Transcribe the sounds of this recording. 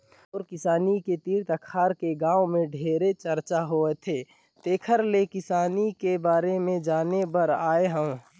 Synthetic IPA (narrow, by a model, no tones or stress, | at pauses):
ɔːɾkɪsaːniket̪iːɾt̪əkʰaːɾkeɡãːwmẽɖʱeːɾet͡ʃəɾt͡ʃaɦoːet̪ʰeː | t̪eːkʰəɾlekɪsaːnikebaːɾemẽd͡ʒaːnepəɾaːeɦə̃ũ